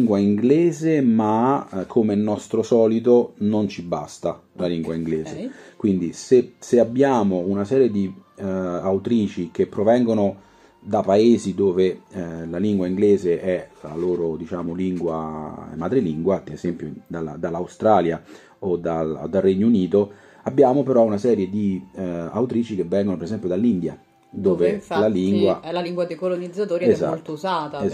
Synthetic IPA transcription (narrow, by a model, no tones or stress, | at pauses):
ŋɡwaiŋɡleːzemakʰːomelnːɔst̪ɾosɔːlit̪onont͡ʃiba̰st̪alaliŋɡwaiŋɡleːszekwind̪iseseabːjaːmounasɛːɾjed̪i | awt̪ɾiːt͡ʃik̟epːɾovɛŋɡono | d̪apaeːzid̪oːvelaliŋɡwaiŋɡleːzeʔɛla̰loːɾod̪it͡ʃaːmoliŋɡwa̰mad̪ɾeliŋɡwad̪ez̥ɛmpjod̪ala̰d̪alːawst̪ɾaːlja | od̪ald̪alrːɛɲːouniːt̪o | abːjaːmopeɾɔunasɛːɾjed̪ia̰wt̪ɾiːt͡ʃik̟evːɛŋɡonopeɾesɛmpjod̪alːind̪ja | d̪oːvelaliŋɡwaɛlaliŋɡwad̪ejkolonid̪zːat̪oːɾieza̰lːt̪ouzaːt̪a